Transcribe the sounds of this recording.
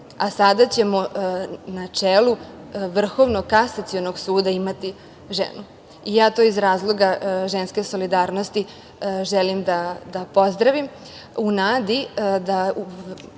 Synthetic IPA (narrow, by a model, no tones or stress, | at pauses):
asad̪at͡ɕe̞mo̞nat͡ʂeːluʋr̩xo̞ʋno̞kasat̪sionoɡsuːd̪aimat̪i | ʒḛnu | ijaːt̪o̞izɾaːzlˠo̞ɡaʒenske̞so̞lid̪aːɾno̞st̪i | ʒelimd̪ad̪apo̞zd̪ɾaʋim | unaːd̪id̪au